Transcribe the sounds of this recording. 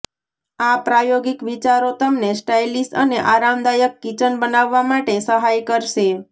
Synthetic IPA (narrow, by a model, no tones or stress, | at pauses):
apɾajoɡikʋit͡ʃaɾot̪əmnesʈajlisʈəneʔaɾamd̪ajəkːit͡ʃənbənaʋːamaʈesəɦajkəɾʃe